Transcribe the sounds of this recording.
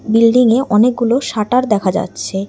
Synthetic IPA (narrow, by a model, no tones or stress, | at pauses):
bilɖiŋeʔʔɔnek̚ɡuloʃaʈaɾd̪ɛkʰad͡ʑa̰tːɕʰe